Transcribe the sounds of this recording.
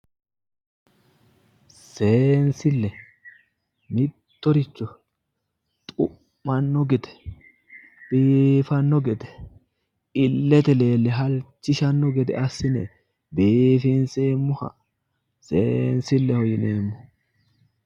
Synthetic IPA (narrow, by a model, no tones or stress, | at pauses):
sensɪlːɛ | mɪt̪ːɔɾɪt͡ʃːɔ | t̪ʼʊ | mɐnːɔɡɛt̪ɛ̥ | b̥eːfɐnːɔɡɛd̪ɛ̥ | ɪlːɛt̪ɛle̞ːlːɛɦɐlt͡ʃːɪʃɐnːɔɡɛd̪ɛ̰ʔɐsːɪnɛ̰ | beːfinseːmːʊhɐ̰ | sensɪlːɛhɔjɪneːmːɔ̥